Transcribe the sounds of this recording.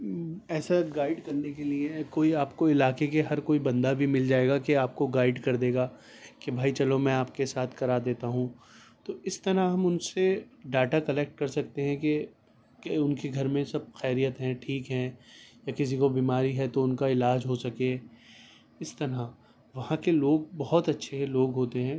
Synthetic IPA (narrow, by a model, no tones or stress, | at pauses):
ɛːsaɡaːɪɖkɐɾnek̬eliekoːiaːpkoɪlaːkekeɦɐɾkoːibɐ̃nd̪abʱimɪld͡ʒaːeːɡakeaːp̚koɡaːɪɖkɐɾd̪eːɡaː | kebʱaːit͡ʃɐlomɛ̃aːpkesaːt̪ʰkɐɾaːd̪eːt̪aɦũ | t̪oʔɪst̪ɐɾaɦɐmʊnseɖaːʈakɐlɛːk̚ʈ̚kɐɾsɐk̚t̪eɦɛ̃ke | kʊnkeɡʱɐɾmẽsɐb̚xɛːɾijət̪ɦɛ̃ʈʰiːkɦɛ̃jakɪs̬ikobiːmaːɾiɦɛt̪oʊnkaɪlaːd͡ʒɦosɐke | ɪst̪ɐɾa | ʋɐɦãkeloːɡ̚bɐɦɔt̪ɐtːʃʰeloːɡɦoːt̪eɦɛ̃ː